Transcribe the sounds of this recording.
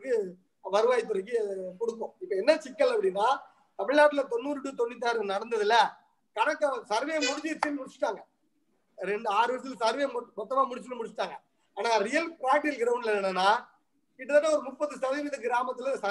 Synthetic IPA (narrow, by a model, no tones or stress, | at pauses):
kːɯ | ʋɐɾɯʋaːjɪt̪̬ːɯɾɐkːɯkɔɽɯkːõɪpːɐɛnːɐt͡ʃɪkːɐlɐpːɐɽɪnːaː | t̪ɐmɪɻaːʈːɪlɐt̪ɔnːuːɾɯʈːɯt̪ɔnːɪt̪ːaːɾɯnɐɽɐnd̪ɐðɪlɐ | kɐnɐkːɐsɐɾʋeːɐmʊɽɪɲd͡ʒɪɪɾt͡ʃːinːɯmʊɽɪt͡ʃːɪ̥ʈːaːŋɡɐ | ɾɛɳɖɯaːɾɯʋɐs̬ɪlsɐɾʋejmmɔt̪ːɐmaːmʊɽɪt͡ʃːɯnːɯmʊɽt͡ʃːɪ̥ʈːaːŋɡɐ | aːnaːɾɪjɐlpaːʈːɪlkɪɾɐʋɯnɪlɐnɐnːɐnːaː | kɪʈːɐt̪ːɐːaɔɾɯmʊpːɐðɯsɐʋɪʋɐðɯɡɪɾaːmɐt̪ːɯlɐsɐ